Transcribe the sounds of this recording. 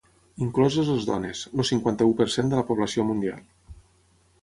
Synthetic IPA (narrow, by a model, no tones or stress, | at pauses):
iŋklɔzəzəlˠzðɔ̰nezlosiŋkwant̪əupəɾsend̪ələpuβləsiomund̪ia̰lˠ